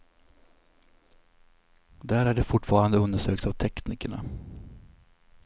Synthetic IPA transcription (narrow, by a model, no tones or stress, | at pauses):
d̪æːɾæɖɛfʊʈːfɑːɾand̪əɵnd̪əʂøːkt̪avt̪ʰɛkniːkəɳa̰